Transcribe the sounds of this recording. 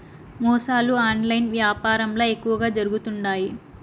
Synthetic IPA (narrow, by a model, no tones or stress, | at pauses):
mɔːsaːluaːnlɐjnʋjaːpaːɾɐmloːekːuʋɐɡaːd͡ʒɐɾuɡut̪uɳɖaːji